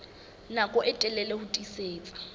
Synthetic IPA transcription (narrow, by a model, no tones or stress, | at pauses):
nakʼɔʔɛtʼɛlɛlehʊtʼiseːt͡sʼḁ